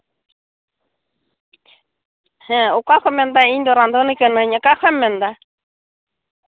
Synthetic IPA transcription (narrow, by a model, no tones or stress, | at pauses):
hɛ̃ʊkʷaxʷɛmɛ̃nd̪aind̪oɾand̪onikənə̃ɲakaxʰʷɛmɛ̃nd̪a